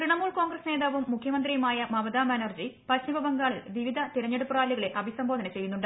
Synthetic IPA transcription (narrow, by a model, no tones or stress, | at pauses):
kriɳɐmːuːɭko̞ːŋɡrɐsne̞ːðaːʋumːukʰjɐmɐnd̪rijumaːjɐmɐʋɐd̪aːmɐnord͡ʑipɐɕibʱɐbɐŋɡaːɭilʋiʋid̪ʱɐt̪iɾɐɲːeɽupːuraːliɣɐɭe̞ʔɐbʱisɐmbʱo̞ːd̪ʱɐnɐt͡ɕe̞junːuɳɖɨ